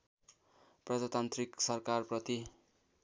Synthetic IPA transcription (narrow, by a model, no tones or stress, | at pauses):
prʌd͡zat̪ant̪riksʌrkarprʌt̪i